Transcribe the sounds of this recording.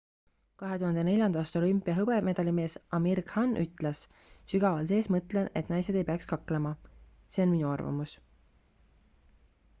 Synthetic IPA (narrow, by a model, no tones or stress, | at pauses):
kɑɦe̞t̪uhɑnd̪e̞ne̞lʲjɑnd̪̥ɑːst̪o̞lympːˑijɑɦɤb̥eme̞d̪ɑlime̞ːsɑmiɾkhɑnːʔyt̪ːˑles | syɡ̥ɑvɑlse̞ːsmɤt̪lene̞t̪ːˑnɑjse̞d̪ejpeɑkskɑklemɑ | se̞o̞nminuɑrvɑ̰mus